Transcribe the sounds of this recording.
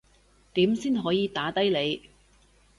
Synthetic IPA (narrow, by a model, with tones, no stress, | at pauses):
t̪iː˨˥msiː˥nɦɔː˨˧˥jiː˨˧t̪aː˨˥t̪ɐ˥jle˨˧j